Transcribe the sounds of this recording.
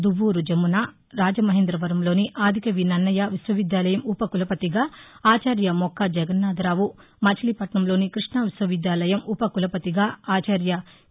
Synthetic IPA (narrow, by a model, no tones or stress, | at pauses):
d̪uʋːuːɾud͡ʒemːuna | ɾaːd͡ʒɐmɐɦeːnd̪ɾɐʋɐɾɐmlo̞ːniʔaːd̪ʱikɐʋinɐnːɐjaʋisʋɐʋid̪jaːlɐjɐmupɐkulɐpɐt̪iɡaːaːt͡ʃaːɾjɐmɔkʰːɐd͡ʒɛɡɐnːaːd̪ɐɾaːʋu | mɐt͡ʃʰɐlipɐʈɳɐmlo̞ːnikɾiʂɳɐʋiswɐʋid̪jaːlɐjɐmupɐkulɐpɐt̪iɡaːaːt͡ʃaːɾjɐ